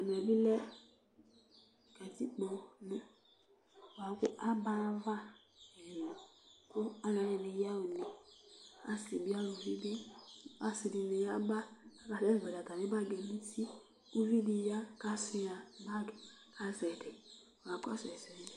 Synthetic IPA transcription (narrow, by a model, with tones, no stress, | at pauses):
a˨n˨ɛ˨bi˦lɛ˦˨ | kɛ˨ti˦k͡pɔ˧nʊ̃˦ | wa˨˦kʊ˦ʔa˦ba˦va˦˨ | kʊ˦a˦la˨˦ɛ˨nɪ˨ja˦o˨ni˨ | a˦si˨bi˦a˦lo˨vi˦be˦a˦sɪ˨di˨nɪ˨ja˦ba˦a˨ka˨tɛ˦˨vɛ˨ɾa˨ka˨nɪ̃˦ba˦˨ɡɛ˨nĩ˦ti˦ | u˦vi˦di˧˦ja˦ka˦sɪ˦˧a˨ba˦dʊ˨ | kʰa˦zɛ˨dɛ˨ | a˨˦ka̰˦sɛ˨si˨i˦˨